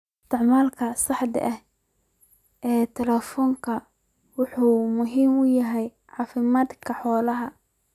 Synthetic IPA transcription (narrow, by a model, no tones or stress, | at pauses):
ɪst̪ɪʕmaːlkʰɐsɑħd̪ɪ̰ʔɐh | ɛːt̪ʰɛlɛfɔːŋkʰɐ | wʊħuːmʊɦiːmʊjɐɦɛj | ʕɑːfɪmaːd̪kʰɐħɔːlɐɦɐ